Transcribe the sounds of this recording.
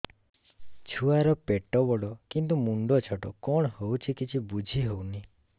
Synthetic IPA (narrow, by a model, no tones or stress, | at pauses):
t͡ʃʰuaɾɔpeʈɔbɔɽɔkint̪umuɳɖɔt͡ʃʰɔʈɔ̰kɔɳ̃howt͡ʃʰikit͡ʃʰibud͡ʒʱiɦowni